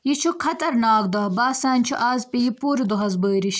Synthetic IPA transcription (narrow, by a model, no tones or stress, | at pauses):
jit͡ʃʰukʰɐt̪ɐɾnaːk̚d̪ɐɦbaːsaːnt͡ʃʰuʔaːzpijipuːɾd̪uɦɐzbəːɾiɕ